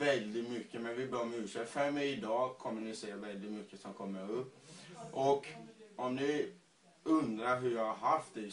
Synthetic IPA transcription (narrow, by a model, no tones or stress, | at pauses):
vɛld̪ɪt̪mʏkːəmɛnvɪbœːmʉːʂɛfɛɾmːəɪd̪ɑːkʰɔmːənɪseːavɛld̪ɪt̪mʏkːəsɔmkʰɔmːəɾɵpːʔɔkɔmnɪ | ɵnd̪ɾaɾɦɵɾjɑːhaɾɦaft̪̚ɛ